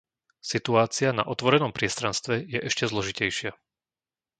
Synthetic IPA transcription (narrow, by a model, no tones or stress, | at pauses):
sit̪uaːt͡siana̰ʔɔt̪ʋɔɾɛnɔmpɾɪɛst̪ɾanst̪ʋɛjɛʔɛʃcɛzlɔʒicɛjʃɪa